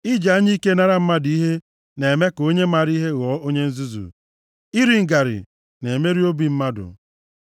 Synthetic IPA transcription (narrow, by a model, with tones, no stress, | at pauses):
i˦d͡ʒa˨a˦ɲi˦ke˦na˦ɾa˦m̩˦ma˦di˦ɦe˦ | ne˨me˦ko˦ɲe˦ma˨ɾi˦ɦe˦ɣɔ˨˦o˦ɲe˦n̩˦zu˦zṵ˨ | i˦ɾi˨ŋ̩˨ɡa˨ɾɪ̰˨ | ne˨me˦ɾi˦o˦bi˨m̩˦ma˦dʊ̰˨